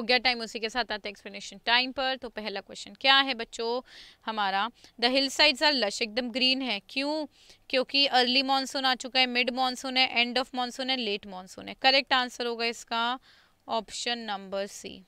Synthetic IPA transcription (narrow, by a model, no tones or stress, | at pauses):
ɡjaʈaːɪ̃mʊsikesaːt̪aːt̪ẽɛkspləneːʃənʈaːɪmpɐɾt̪opɛɦlakwɛst͡ʃənkjaːɦɛbɐtːʃohɐmaːɾad̪ɐɦɪlsaːɪɖzaːɾlɐʃeːk̚d̪əmɡɾiːnɦɛːkjũː | kjõːkiəːɾlimɔːnsõːnaːt͡ʃʊkaɦɛmɪɖmɔːnsõːnɦɛ̃ʔɛ̃ːɳɖɔːfmɔːnsõːnɦɛ̃leːʈmɔːnso̰ːnɦɛ̃kɐɾɛk̚ʈãːnsəɾɦoːɡaɪska | ɔːpʃənːɐ̃mbəɾsḭː